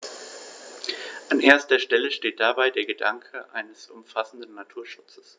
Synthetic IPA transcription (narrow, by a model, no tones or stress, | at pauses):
ʔanʔeːɐstɐʃtɛləʃteːt̚d̥abaɪdeːɐɡədaŋkʰəʔa̰ɪnəsʔʊmfasn̩dn̩ːatʰuːɐʃʊ̥t͡sə̥s